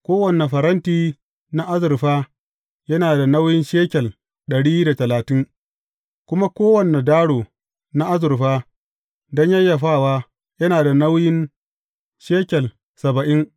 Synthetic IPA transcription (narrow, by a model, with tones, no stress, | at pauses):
kʷoː˦wɐ˨ne˨ɸɐ˨ɾɐ˦ntiː˦ | na˦ʔa˦zʊ˨ɾɸaː˦ | jɐ˦naː˨da˨nɐ˦wjɪ˦nʃeː˦kʲɐ˨l | ɗɐ˨ɽiː˦da˨tɐ˨laː˨tɪ˦ŋ | kʷʊ˦ma˦kʷoː˦wɐ˨ne˨daː˦ɽoː˨ | na˦ʔa˦zʊ˨ɾɸaː˦ | dɔ˦ɲjɐ˦ja˨ɸaː˦˨waː˦ | jɐ˦naː˨da˨nɐ˦wjɪ˦n | ʃeː˦kʲɐ˨l | sɐ˨bɐ˨ʔɪ˦ŋ